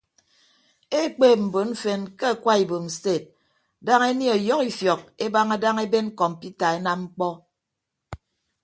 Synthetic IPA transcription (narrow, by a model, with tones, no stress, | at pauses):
e˦k͡peː˦˨m̩˨bo˨˦n̩˦fe˨nke˦a˨kwa˦i˨bo˨m̩˨ste˦˨t̚ | da˦ŋe˦ni˦ɔ˨jɔ˦ki˦fjɔ˨k̚e˦ba˦ŋa˦da˦ŋe˦be˦n˦kɔ˨m˨pi˦ta˨e˦na˦mŋ͡m̩˦k͡pɔ˦